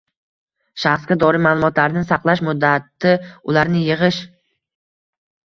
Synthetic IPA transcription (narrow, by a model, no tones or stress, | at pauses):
ʃaχsɡʲad̪ɒɾimalˠʊmɒt̪laɾɪnɪsaqlˠaʃmʊd̪ːat̪ːɪʊlaɾnɪjɪʁɨʃ